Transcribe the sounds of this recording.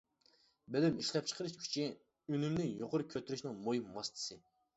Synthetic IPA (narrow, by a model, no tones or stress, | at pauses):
belymiʃlɛp̚t͡ʃʰə̥qʰəɾɨʃkʲʰy̥t͡ʃʰi | ynymnɪŋjoqʰʊɾʊkʲʰøt̪yɾyʃnɪŋmojimːɑst̪ʰɨ̥sɨ